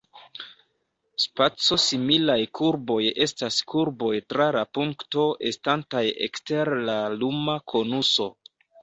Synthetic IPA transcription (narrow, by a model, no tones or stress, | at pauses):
spat͡so̞similajkʰuɾbo̞je̞staskʰuɾbo̞jtɾalapuŋkto̞ʔe̞stantajḛkste̞ɾlalumakʰo̞nuso̞